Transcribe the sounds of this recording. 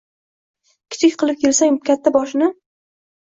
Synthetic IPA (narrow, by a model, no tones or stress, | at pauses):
kʲʰɪ̥t͡ʃʰɪkʲqʰɨlˠɪp̚kʲʰelsaŋkʲʰat̪ʰːabɒʃnɪ